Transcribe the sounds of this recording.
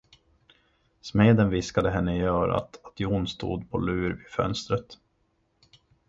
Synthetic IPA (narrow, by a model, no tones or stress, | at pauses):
smeːd̪ənvɪskad̪əɦɛnːəɪjœːɾa̰t̪at̪ʰjuːnst̪ṵːd̪pʰɔlʉ̟ːɾvɪfœ̰nst̪ɾət̪